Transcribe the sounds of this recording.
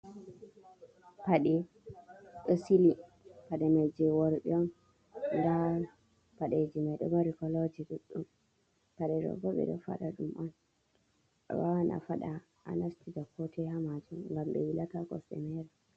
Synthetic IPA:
paɗɛ | ʔəsili | paɗɛmad͡ʒɛwɔɾɗɛɔm | nda | paɗed͡ʒimajɗɔ̰maɾikɔlod͡ʒiɗuɗːum | paɗɛɾɔ̰ɡɔɓɛ̰ɗɔ̰fa̰ɗaɗumʔan | wawanʔa̰faɗa | ʔa̰nastidakːɔtɛhamad͡ʒumŋɡambɛ̰wilatakɔ̰sɗɛ̰mɛɾa

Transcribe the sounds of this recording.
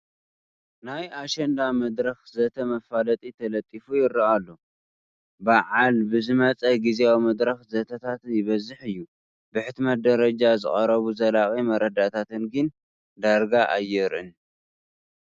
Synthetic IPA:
najaʃɛnd̪amɐd̪ɾɐxzɐt̪ʰɐmɐfalɐt̪ʼit̪ʰɐlɐt̪ʼːifujɪɾɐalːo̞ | baʕalbɨzɨmɐt͡sʼɐɡizeawimɐd̪ɾɐxzɐt̪ʰɐt̪ʰat̪jɪβɐzɨħɨjːu | bɨħɨt̪mɐt̪̚d̪ɐɾɐd͡ʒazɨχʼɐɾɐβuzɐlakʼimɐɾɐd̪at̪ʰat̪ɨnɡɨn | d̪aɾɡaʔajːɛɾʔɨn

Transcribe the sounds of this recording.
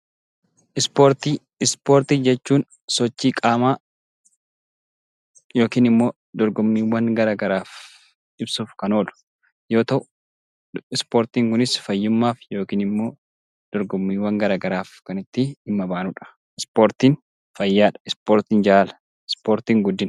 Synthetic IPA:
ʔɪspoːɾt̪i | ɪspoːɾt̪id͡ʒɛt͡ʃːuːn | sɔt͡ʃːiːkʼaːmaː | jo̞ːkiːnɪmːo̞ː | d̪ɔɾɡɔmːiːwɐŋɡɐɾaːɡɐɾaːf | ʔɪbsuːfkɐno̞ːlʊ̥ | jo̞ːt̪ɐʔʊ | ɪspoːɾt̪iːŋkʊnɪsfɐjːʊmːaːfjo̞ːkiːnɪmːo̞ː | d̪̥ɔɾɡɔmːiːwːɐŋɡɐɾaːɡɐɾaːfkɐnɪt̪ːɪɪmːɐbaːnʊᶑɐ̥ | ɪspo̞ːɾt̪iːn | fɐjːaːᶑɐ̥ɪspoːɾt̪ɪnd͡ʒaːlɐ̥ | ɪspoːɾt̪iːŋɡʊd̪ːɪn

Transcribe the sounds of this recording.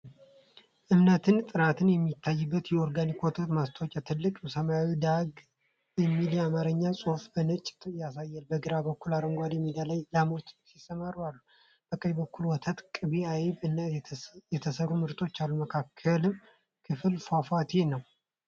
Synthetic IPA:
ʔɨmnət̪ʰɨnt̪ʼɨnat̪ʰɨnjɛmːit̪ʰːajːɨbːət̪jɛoɾɡanikwɔt̪ʰot̪mast̪ʰəwt͡ʃʼɛt̪ʰɨlːɨkʼsəmajawid̪aɡ | jɛmːilamaɾɨɲːasʼofbənɨt͡ʃʼːt̪ʰjasajːɛlbəɡɨɾabəkːulaɾəŋɡʷad̪jɛmːid̪alajlamot̪sisːəmaɾwalːu | b̥əkʼːəjbəkːulwɔt̪ʰat̪kʼɨbiajβɨnːajɛt̪ʰəsərːumɨɾt̪ʼo̞t͡ʃːalːuməkʰakʰːəlɨm | kʰɨfɨlfafat̪ʰenəw

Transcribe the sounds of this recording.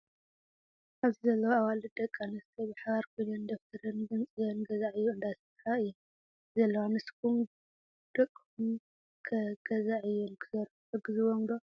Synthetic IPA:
ʔaβzizɐlːɐwaβalɨd̪ɐkʼːanɐst̪ʰɐbɨħaβaɾkʰojlɐnd̪oft̪ʰɐɾɨnɡɨnt͡sʼɨjɐnɡɐzaʕɨjːuɨnd̪asɨt̪ʰɾaɨjːu | zɐlːɐwanɨskʰum | d̪̥ɐkʼːum | kʰɐɡ̥ɐzaʕɨjunkʰɨzɐɾ | ɨɡɨzɨβoŋd̪o

